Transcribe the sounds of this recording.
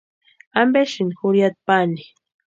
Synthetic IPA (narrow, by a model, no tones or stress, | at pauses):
ambeʃɪnxʊɾjat̪̚pani